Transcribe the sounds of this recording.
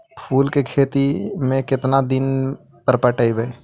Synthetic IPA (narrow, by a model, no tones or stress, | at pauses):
pʰuːlkekʰeːt̪imẽkɪt̪nad̪ɪn | pəɾpəʈəibəe